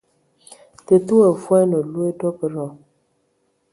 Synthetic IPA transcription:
te˨tu˦ə˨fwa˦nɔ˨lu˦e˦dɔ˦pə˨ɾɔ˨

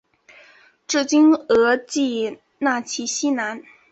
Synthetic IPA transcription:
ʈ͡ʂɻ̩˥˩t͡ɕi˥nɤ˧˥t͡ɕi˥˧ | na˥˩t͡ɕʰi˧˥ɕi˥na˧˥n

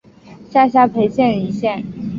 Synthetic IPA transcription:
ɕja˥˩ɕja˥pʰe˧˥ɪɕjɛ˥˩ni˧˥ɕjɛ˥˩n

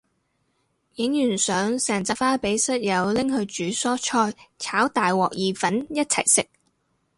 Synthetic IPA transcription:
jɪ˨˥ŋjyː˨˩nsœː˨˥ŋsɛː˨˩nt͡sɐ˧faː˥pe˨˥jsɐ˥t̚jɐ˨˧wlɪ˥ŋhɵ˧ɥt͡ʃyː˨˥sɔː˥t͡ʃʰɔː˧jt͡sʰaː˨˥wt̪aː˨jwɔː˨k̚jiː˨fɐ˨˥njɐ˥t̚t͡sʰɐ̰˨˩jsɪ˨k̚

